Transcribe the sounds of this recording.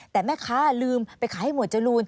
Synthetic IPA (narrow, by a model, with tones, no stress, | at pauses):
t̪ɛː˨˩mɛː˥˩kʰaː˦˥lɯː˧mpa˧jkʰaː˨˦ha˥˩jmu˨˩ət̪̚t͡ɕa˧˩luː˧n